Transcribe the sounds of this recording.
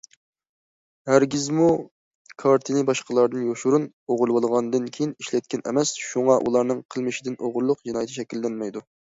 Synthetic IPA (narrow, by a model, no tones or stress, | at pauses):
hæɾɡʲizmu | kʰɑɾt̪ʰɨnɨbɑʃqəlˠɑɾd̪ɨnjoʃuɾun | oʁʊlˠwɑlˠʁɑnɨd̪ɨnkʲʰejiniʃlɛt̪̚kʲɛnʔɛ̰mɛsʃuŋɑʔṵlˠɑɾnɨŋqʰəlˠmɨʃɪd̪ɨnʔoʁʊɾlˠʊqd͡ʒinɑjt̪ʰiʃɛkʲilːɛnmɛjd̪u